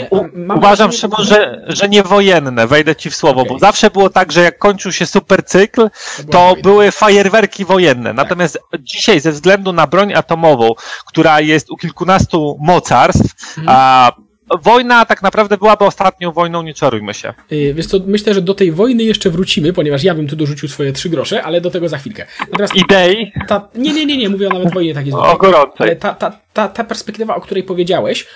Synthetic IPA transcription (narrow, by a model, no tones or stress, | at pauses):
uuvaʐamʂɛmɔʐɛʐɛɲɛvɔjɛnːɛvɛjd̪ɛt͡ɕifswɔvɔbɔzafʂɛbɘwɔt̪aɡʐɛjakːɔɲt͡ʂɘwɕɛsupɛɾt̪sɘklt̪ɔbɘwɘfajɛɾvɛɾkʲivɔjɛnːɛ̰nat̪ɔmʲjast̪d͡ʑiɕajzɛvzɡlɛnd̪unabɾɔɲat̪ɔmɔvɔ̃w̃kt̪uɾajɛst̪ukʲilkunast̪umɔt̪saɾst̪f | vɔjnat̪aknapɾavd̪ɛbɘwabɘɔst̪at̪̚ɲɔ̃w̃vɔjnɔ̃w̃ɲɛt͡ʂaɾujmɘ̰ɕɛ̰vʲjɛʂt̪sɔmɘɕlɛʐɛd̪ɔt̪ɛjvɔjnɘjɛʂt͡ʂɛvɾut͡ɕimɘpɔɲɛvaʂ̬jabɘmt̪ud̪ɔʐut͡ɕiwsfɔjɛtʂɘɡɾɔʂɛʔalɛd̪ɔt̪ɛɡɔzaxfʲilkɛnat̪ɔmʲjasid̪ɛit̪aɲɛɲɛɲɛɲɛmuvʲɛɔnavɛd̪vɔjɲɛt̪ak̬ʲjizɔ̰ɡɔɾɔnt̪sɛt̪at̪a | t̪at̪apɛɾspɛkt̪ɘvaɔkt̪uɾɛjpɔvʲjed͡ʑawɛɕ